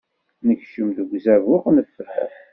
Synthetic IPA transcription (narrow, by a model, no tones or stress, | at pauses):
nəçʃəmðəɡʷzævʊqnəfːəɾæ̰